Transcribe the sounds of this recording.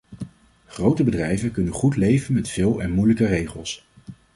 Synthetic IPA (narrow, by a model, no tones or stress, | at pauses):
χrowtəbədrɛjvəkɵnənχutlejvənmɛtfɪːlˠɛnmujləkərejχəlˠs